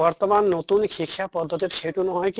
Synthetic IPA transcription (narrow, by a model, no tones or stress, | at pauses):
ɔɾt̪ɔmanːot̪unkʰikʰːjapɔd̪ʱːɔt̪it̪kʰeʈ̪unɔɦɔjk